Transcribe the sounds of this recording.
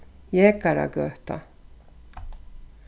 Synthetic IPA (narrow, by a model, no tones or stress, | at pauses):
jɛkaɾa̰ɡœht̪a̰